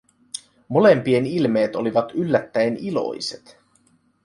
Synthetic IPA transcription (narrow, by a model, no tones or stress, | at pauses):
mo̞le̞mpie̞nilme̞ːt̪o̞liʋɑt̪ylːæt̪ːæenilo̞̰jse̞t̪